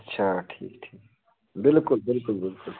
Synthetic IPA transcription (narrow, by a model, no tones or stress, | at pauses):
ɐtːʃʰaʈʰḭːkʈʰiːk | bɪlkʊlbɪlkʊlbɪlkʊl